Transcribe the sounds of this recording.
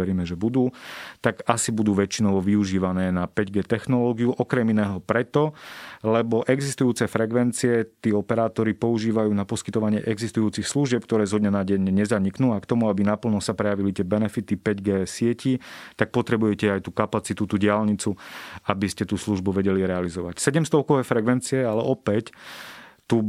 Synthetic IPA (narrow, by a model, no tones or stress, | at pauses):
ɛɾiːmɛʒɛbud̪uːt̪aɡasibud̪uːʋɛt͡ʃinɔʋɔʋiuʒiːʋanɛːnapɛɟɡɛːt̪ɛxnɔlɔːɡiuʔɔkɾɛminɛːɦɔpɾɛt̪ɔlɛbɔʔɛɡzist̪ujuːt͡sɛfɾɛkʋɛnt͡siɛt̪iːɔpɛɾaːt̪ɔɾipɔuʒiːʋajuːnapɔskit̪ɔʋaɲɪɛʔɛɡzist̪ujuːt͡sixsluʒɪɛp̚k̚t̪ɔɾɛːzɦɔd̪ɲɛnaɟɛɲɲɛzaɲiknuːakt̪ɔmuabinapl̩nɔsapɾɛjaʋilit̪ɪɛbɛnɛfit̪ipɛɟɡɛːsɪɛcit̪ak̚pɔt̪ɾɛbujɛcɛajt̪uːkapat͡sit̪ut̪uːɟɪalɲit͡suabiscɛt̪uːsluʒbuʋɛɟɛliɾɛalizɔʋa̰csɛɟɛmst̪ɔʊkɔʋɛːfɾɛkʋɛnt͡siɛalɛʔɔpɛc | t̪u